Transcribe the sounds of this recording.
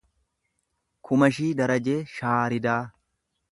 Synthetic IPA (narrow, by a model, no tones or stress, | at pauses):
kʰʊmɐʃiːd̪ɐɾɐd͡ʒeːʃaːɾɪd̪aː